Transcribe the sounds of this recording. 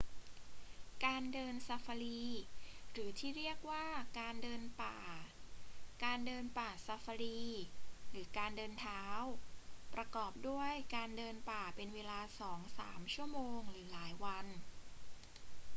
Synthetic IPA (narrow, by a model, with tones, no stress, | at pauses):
kaː˧ndɤː˧nsa˧fa˧liː˧ɾɯː˩˦t̪ʰiː˥˩ɾi˥˩ək̚waː˥˩kaː˧ndɤː˧npaː˨˩ | kaː˧ndɤː˧npaː˨˩sa˧fa˧ɾiː˧ɾɯː˩˦kaː˧ndɤː˧nt̪ʰaː˦˥wpɾa˧kɔː˨˩p̚du˥˩əjkaː˧ndɤː˧npaː˨˩pe˧nweː˧laː˧sɔː˩˦ŋsa̰ː˩˦mt͡ɕʰu˥˩ɐəmoː˧ŋɾɯː˩˦laː˩˦jwa˧n